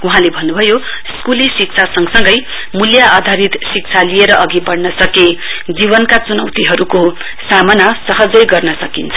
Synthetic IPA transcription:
uɦãlebʱʌnːubʱʌjo | skulisik̚t͡sʰasʌŋsʌŋɡʌj | muljaʔːd̪ʱaɾit̪sik̚t͡sʰalieɾʌʔʌɡibʌɽnʌsʌked͡zibʌnkat͡sunʌwt̪iɦʌɾuko | samʌnasʌɦʌd͡zʌjɡʌrnʌsʌkint͡sʰʌ

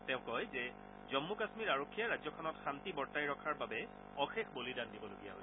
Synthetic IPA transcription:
tɛ̃ʊ̃kɔjzɛ | zɔmːukasmiɹaɹokʰːijaɹazɔkʰɔnɔtxantibɔɹtajɹɔkʰaɹbabɛ | ɔxexbolidandibɔloɡija̰ɦojsɛ

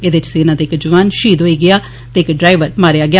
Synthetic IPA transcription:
ed̪eɪt͡ʃseːnãːd̪eːɪkd͡ʒʊʋaːnʃiːd̪ɦoːiːɡɪaː | t̪eːɪkɖɾaːɪʋəɾmaːɾeːaːɡɪaː

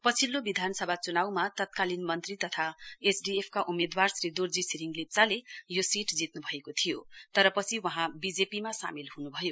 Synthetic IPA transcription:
pʌt͡sʰilːobid̪ʱanʌsʌbʱat͡sunawmat̪ʌt̪̚kalinmʌnt̪rit̪ʌt̪ʰaesɖiepʰkaʔumed̪warsrid̪urd͡zisiɾiŋɡlip̚t͡salejosiʈd͡zit̪nubʱʌekot̪ʰijot̪ʌɾʌpʌt͡sʰiwʌɦãbid͡zepimasa̰milhunubʱʌjo

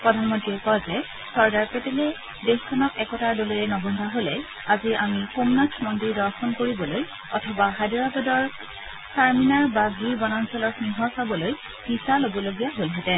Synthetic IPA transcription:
pɹɔdʱanmɔntɹiɛkɔzɛ | sɔɹɡaɹpetelɛ | dexkʰɔnɔkɛkɔtaɹdoliɹɛnɔbʱɔndʱaɦolɛ | aziʔamixomnaksʰmɔndiɹdɔɹxʰɔnkoɹibɔloj | ɔtʰɔbaɦajdɔɹabɔdɔɹ | saɹminaɹbaɡʱiɹbɔnansɔlɔɹsiŋɦɔɹsabɔloj | hisalobɔloɡijaɦolɦɛtɛ̃

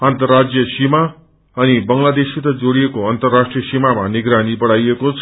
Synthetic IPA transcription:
ant̪ʌrad͡zjʌsima | ʌnibʌŋlad̪esit̪ʌd͡zoɽijekoʌnt̪ʌrːasʈrijʌsimamaniɡɾanibʌɽajekot͡sʰ

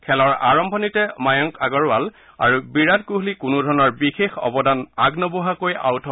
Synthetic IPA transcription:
kʰɛlɔɹa̰ɹɔmbʱɔnitɛmajɔŋkaɡɔɹwal | a̰ɹubiɹatkuɦlikunʊdʱɔɹnɔɹbixexɔ̰bɔdanaɡnɔbɔɦakoja̰wtʰɔ

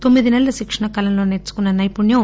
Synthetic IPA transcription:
t̪o̞mːid̪inɛlːɐʃikʂɐnɐkɐlɐmlo̞ːneɾt͡ʃːu̥kunːɐnɐjpuɳjɐ

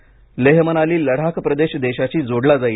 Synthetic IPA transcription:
leɦmənaliːləɽ̤akʰpɾəd̪eɕd̪eɕat͡ɕiːd͡zoɽlad͡zai

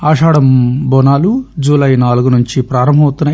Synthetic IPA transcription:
aːʂaːɽɐmbɔnaːlud͡ʒuːlɐjnaːluɡunuɲt͡ʃipɾaːɾɐmbʱɐmɐt̪unːɐ

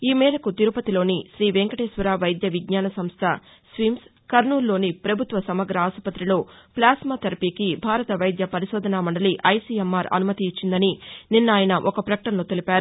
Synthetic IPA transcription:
iːmɛːɾɐkut̪iɾupɐt̪ilo̞ːniʃɾiːʋeŋkɐʈeːsʋɐɾaːʋɐjd̪jɐʋiɡɲaːnɐsɐmst̪ʰɐ | sʋims | kɐɾnuːlːo̞ːnipɾɐbʱut̪ʋɐsɐmɐɡɾɐaːsɐpɐt̪ɾilo̞ːplaːsmat̪ɐɾɐpiːkibʱaːɾɐt̪ɐʋɐjd̪jɐpɐɾiʃoːd̪ʱɐnaːmɐɳɖɐliʔɐjsiːemːaːɾɐ̰numɐt̪iːt͡ʃːind̪ɐnininːaːjɐnɐʔɔkɐpɾɐkɐʈɐnloːt̪elipaːɾu

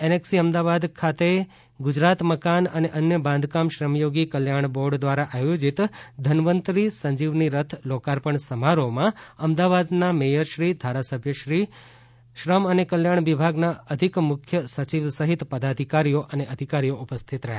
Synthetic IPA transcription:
eneksiəmd̪aʋad̪kʰat̪e | ɡʊd͡ʒɾat̪məkanəneʔənjəbãnd̪ʱkamʃɾəmjoɡikəljaɳbɔɾɖd̪ʋaɾaʔajod͡ʒit̪d̪ʱənʋənt̪ɾisə̃ɲd͡ʒiʋniɾət̪ʰlokaɾpəɳsəmaɾomãəmd̪aʋad̪namejəɾʃɾid̪ʱaɾasəbʱjəʃɾi | ʃɾəmənekəljaɳ̃ʋibʱaɡnaəd̪ʱikmʊkʰjəsət͡ʃiʋsəɦit̪pəd̪ad̪ʱikaɾijoʔəneʔəd̪ʱikaɾijoupəst̪ʰit̪ɾəɦja

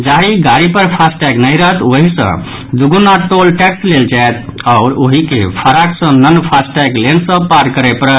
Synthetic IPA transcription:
d͡ʒaɾiɡaɾipəɾpʰasʈɛɡnəiɾəɦət̪oɦisə̰̃ | d̪uɡunːat̪olʈɛksleld͡ʒaet̪aʊɾoɦikḛpʰəɾaksə̃nənpʰasʈɛɡlensə̃paɾkəɾepəɾ

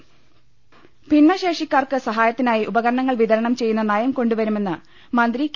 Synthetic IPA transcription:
pinːɐɕe̞ːʂikʲːaːrkɨsɐɦaːjɐt̪ːinaːjiʔubɐɣɐɾɐɳɐŋːɐɭʋiðɐɾɐɳɐmt͡ɕe̞jːunːɐnajɐmko̞ɳɖuʋɐɾume̞nːɨ | mɐnd̪ɾik

